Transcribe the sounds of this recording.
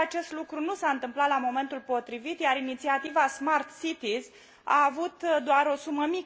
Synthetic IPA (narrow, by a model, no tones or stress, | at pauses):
at͡ʃe̞st̪lukɾunusaɨnt̪ɨmplat̪lamo̞me̞nt̪ulpo̞t̪ɾivit̪jaɾinit̪siat̪ivasmart̪sit̪iz | a̰ːvut̪d̪oaɾo̞suməmi